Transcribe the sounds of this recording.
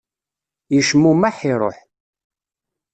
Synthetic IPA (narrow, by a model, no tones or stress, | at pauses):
jəʃmːumaħiɾˤo̰ħ